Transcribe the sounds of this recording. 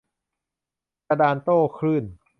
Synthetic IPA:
a˧daː˧nt̪oː˥˩kʰɾɯː˥˩n

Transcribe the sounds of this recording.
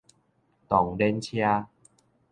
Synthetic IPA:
t̪ɔ˨˦ŋde˧nt͡ɕʰi˧a˧

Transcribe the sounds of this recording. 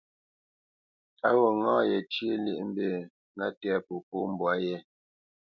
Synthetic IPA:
a˦wo˨ŋãː˦jɛ˨t͡ʃje˦lḛ˦ʔm̩˦be˦˨ | ŋa˦tːpo˨po˦m̩˦˨bwa˦jɛ˦

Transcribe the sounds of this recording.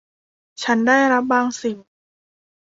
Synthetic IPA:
t͡ɕʰa˦˥ndaː˥˩jɾa˦˥p̚baː˧ŋsi˨˩w

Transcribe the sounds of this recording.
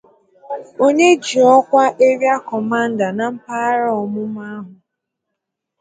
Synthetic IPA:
o˦ɲe˦d͡ʒi˨ɔ˦kʷa˦ʔe˦ɾja˦kɔ˨ma˦n̩˦da˨na˨m̩˦pa˦ɾɔ˨mʊ˦ma˦ɦʊ˨

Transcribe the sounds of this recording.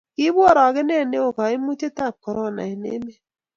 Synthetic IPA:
kɪ˦bwɔ˦˨ɾɔ˨ɡɪ˦ne˦˨ne˦o˨ka˨ɪ˦mu˦t͡ʃe˦ta˦˨p̚kɔ˨ɾɔ˦˨na̰˨ɪ˨nḛ˦me˦

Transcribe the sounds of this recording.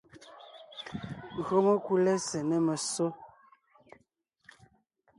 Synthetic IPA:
ŋ˨ɣɰo˦mo˦ku˦lɛ˦sɛ˨nɛ˦mə˨so˦

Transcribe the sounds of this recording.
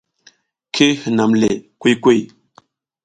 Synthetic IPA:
kʰe˦hə˨na˨mle˨kwe˦kwe˦˨j

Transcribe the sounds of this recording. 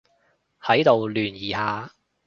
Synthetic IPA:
hɐ˨˥jt̪o˨wlyː˨˩njiː˨˩haː˨˧

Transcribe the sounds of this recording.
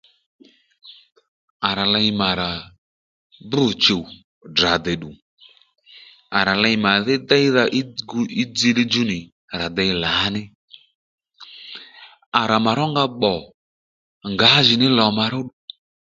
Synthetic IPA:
a˨ɾa˨la˧i˧ma˨ɾa˨ | bʊ˦˨t͡ʃo˨ | da˨dɛ˨ɗu˨ | a˨ɾa˨la˧jma˨ðɪ˦dɛ˦ða˧ʔi˦ɡu˧˦i˦d͡zi˧lɪ˦d͡ʒu˦nɪ˨ | ɾa˨dɛ˨˧jla˨˦nɪ˦ | a˨ɾa˨ma˨ɾɔ˦ŋɡa˧ɓɔ˨ | ŋɡa˨˦ʒɪ˨nɪ˦lɔ˨ma˧ɾʊ˦ɗu˨

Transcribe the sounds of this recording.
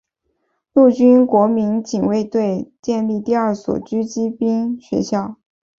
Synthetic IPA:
lu˥˩t͡ɕy˥nkwɔ˧˥mi˧˥ŋt͡ɕi˨˩ŋwe˥˧ɪt̪we˥˧ɪt͡ɕjɛ˥˧nli˥˧t̪i˥˧ɐ˞˥˩swɔ̰˨˩t͡ɕy˥t͡ɕi˥pi˥nɕɥɛ̰˧˥ɕjɑ˥˩ʊ

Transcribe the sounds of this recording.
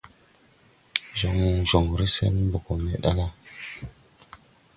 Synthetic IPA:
zo˨ŋ˨ʒo˨ŋɾi˦sḛ˦nbo˨ko˨me˨ɗa˦na˦

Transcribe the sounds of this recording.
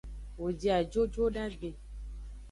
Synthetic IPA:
wo˨d͡ʒi˨a˨d͡ʒo˦d͡ʒo˦ɖa˦ɡ͡be˨

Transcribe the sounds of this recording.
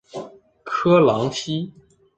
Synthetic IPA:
kʰɤ˥lɑ˧˥ŋɕi˥

